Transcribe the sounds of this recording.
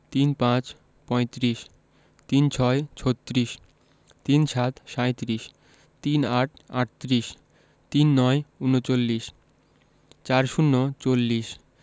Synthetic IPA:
t̪inpãt͡ɕ | pɔet̪ɾiʃ | t̪int͡ɕʰɔet͡ɕʰot̪ːɾiʃ | t̪inʃʰat̪ʃajt̪ɾiʃ | t̪inaʈʰa̰ʈ̚t̪ɾiʃ | t̪inːɔeunot͡ɕolːiʃ | t͡ɕaɾʃunːot͡ɕolːiʃ

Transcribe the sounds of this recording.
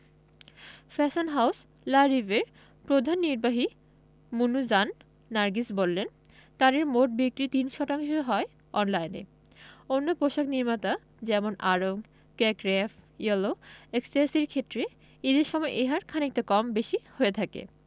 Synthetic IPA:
fɛsonɦaws | laɾiveɾ | pɾod̪ʱanːiɾbaɦi | munud͡ʑanː | aɾɡisbolːen | t̪aɾeɾmoʈ̚bikɾit̪inʃɔtaŋʃoɦɔe | ɔnlajnḛ | onːopoʃakniɾmat̪a | d͡ʑɛmonʔaɾoŋ | kɛkɾɛfjoloeksesiɾkʰet̪ːɾe | id̪eɾʃɔmɔeʔeɦaɾkʰanik̚t̪akɔmbeʃihoet̪ʰakḛ

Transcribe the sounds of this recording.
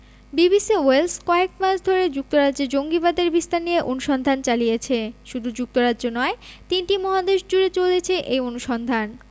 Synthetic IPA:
bibisioelskɔek̚maʃd̪ʱoɾed͡ʑuk̚t̪oɾadd͡ʑed͡ʑoŋɡibad̪eɾbist̪anieʔonuʃɔnd̪ʱant͡ɕalijet͡ɕʰeʃud̪ʱud͡ʑuk̚t̪oɾadʑonɔet̪inʈimɔɦad̪eʃd͡ʑuɾet͡ɕolet͡ɕʰeʔejonuʃɔnd̪ʱan

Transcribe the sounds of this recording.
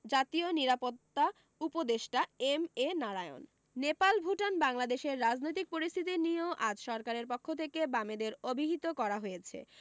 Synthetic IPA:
d͡ʑat̪ioniɾapot̪ːa | upod̪eʃʈaemenaɾaeo̰nː | epalbʱuʈanbaŋlad̪eʃeɾːad͡ʑnojt̪ik̚poɾist̪ʰit̪inioʔad͡ʑʃɔɾkaɾeɾpokʰːot̪ʰekebamed̪eɾobʱiɦit̪okɔɾaɦojet͡ɕʰḛ

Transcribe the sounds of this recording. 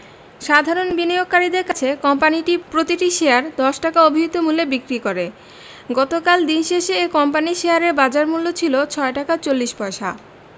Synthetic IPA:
ʃad̪ʱaɾonbinioɡ̚kaɾid̪eɾkat͡ɕʰekɔmpaniʈipɾot̪iʈiʃeaɾd̪ɔʃʈakaobʱiɦit̪omulːebikɾikoɾe | ɡɔt̪okald̪inʃeʃeekɔmpaniʃejaɾeɾbad͡ʑaɾmulːot͡ɕʰilot͡ɕʰɔeʈakat͡ɕolːiʃpɔeʃa̰

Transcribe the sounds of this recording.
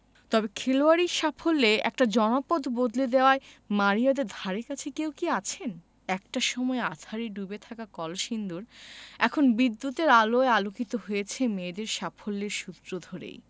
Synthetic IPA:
t̪ɔbekʰeloaɾiʃapʰolːeɛ̰k̚ʈad͡ʑɔnopod̪bod̪led̪eoaemaɾijad̪eɾd̪ʱaɾeɾkat͡ɕʰekewkiat͡ɕʰen | ɛk̚ʈaʃɔmɔeat̪ʰaɾiɖubet̪ʰakakɔlʃind̪uɾɛkʰonbid̪ːut̪eɾaloealokit̪oɦojet͡ɕʰemed̪eɾʃapʰolːeɾʃut̪ɾod̪ʱoɾḛj

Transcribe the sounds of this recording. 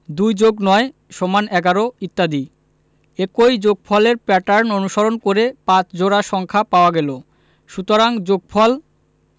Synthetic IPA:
d̪ujd͡ʑoɡnɔeʃɔmanɛɡaɾoit̪ːad̪i | ekojd͡ʑoɡ̚pʰɔleɾpɛʈaɾnonuʃoɾonkoɾepãt͡ɕd͡ʑoɾaʃɔŋkʰapaoaɡɛlo | ʃut̪oɾaŋd͡ʑoɡ̚pʰɔl

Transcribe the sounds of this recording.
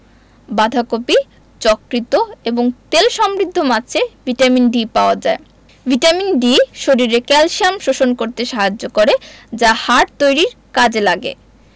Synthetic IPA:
bad̪ʱakopi | t͡ɕɔkɾit̪oeboŋt̪elʃɔmɾid̪ʱːomat͡ɕʰev̥ʱiʈaminɖipaoad͡ʑae | vʱiʈaminɖiʃoɾiɾekɛlʃiamʃoʃonkoɾt̪eʃaɦad͡ʑːokoɾed͡ʑahaʈ̚t̪ojɾiɾkad͡ʑelaɡḛ

